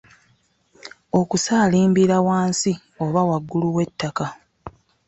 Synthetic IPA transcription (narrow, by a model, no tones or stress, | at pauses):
o̞kusaːliːmbiɾawaːnsi | o̞βawaɡːuluwe̞tːaka